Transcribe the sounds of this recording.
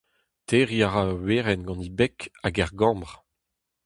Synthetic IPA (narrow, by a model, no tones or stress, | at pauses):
teʁiaʁaweːʁɛnɡɑ̃nibɛkaɡɛʁɡɑ̃ːmbʁ